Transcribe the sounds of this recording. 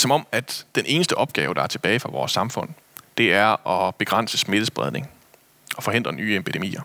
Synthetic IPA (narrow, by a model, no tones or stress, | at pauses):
sɒ̽mɒ̽m̰æd̥ːenʔe̝ːnəsd̥əʔɒ̽b̥̚ɡ̥ɛ̰ːʊd̥ɑ̈æɐt͡sʰe̝b̥ɛːɪfʁɑ̈ʋɒ̰ːsːɑ̈mfɔ̽n̰ | d̥e̝æɐɒ̽b̥e̝ɡ̥ʁɑn̰səsme̝d̥əsb̥ʁɛð̞ˠne̝ŋ | ɒ̽fɒ̽he̝n̰d̥ʁɐnyːepʰid̥e̝mḭːɐ